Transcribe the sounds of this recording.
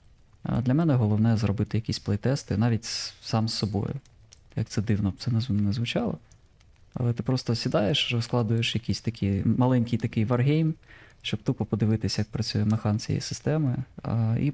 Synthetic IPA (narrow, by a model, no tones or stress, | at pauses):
d̪lʲɐmɛnɛɦɔlˠɔwnɛzɾɔbɪt̪ɪjɐkʲisʲplˠejt̪ɛst̪ɪnɑʋʲitʲsɑmsːɔbɔ̰jʊ̰ | jɐk̚t̪sɛd̪ɪwnɔt̪sɛnɛnɛzʋʊt͡ʃɑlˠɔ | ɐ̰lˠɛt̪ɪpɾɔst̪ɔsʲid̪ɑjeʃɾɔsklˠɑd̪ʊjeʃjɐkʲisʲt̪ɐkʲʰimɐlˠɛnʲkʲijt̪ɐkɪjʋɐrɦʲejmʃt͡ʃɔb̚t̪upɔpɔd̪ɪʋɪt̪ɪsʲjɐk̚pɾɐt͡sʲujɛmexɑnt͡sʲij̰ḭsɪ̥st̪ɛmɪ̰ḭ